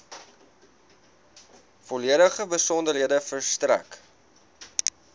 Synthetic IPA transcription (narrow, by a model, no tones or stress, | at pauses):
fɔliəɾəχəbəsɔndərɦiədəfərstræ̰k